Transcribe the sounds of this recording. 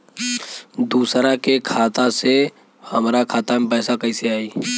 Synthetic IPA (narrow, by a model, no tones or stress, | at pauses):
d̪uːsɾakekʰaːt̪ase | həmɾakʰaːt̪amepɛːsakəiseaːiː